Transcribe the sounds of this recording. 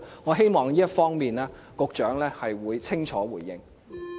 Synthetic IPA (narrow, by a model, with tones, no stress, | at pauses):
ŋɔː˨˧ɦe˥jmɔː˨˩ŋliː˥jɐ˥t̚fɔː˥ŋmiː˨˩naː˥ | kʊ˨˧k̚t͡ʃœː˨˥ŋlɛː˥hɐ˨jwuː˨˧jt͡sʰɪ˥ŋt͡ʃʰɔː˨˥wuː˨˩jːɪ̰˨˧ŋ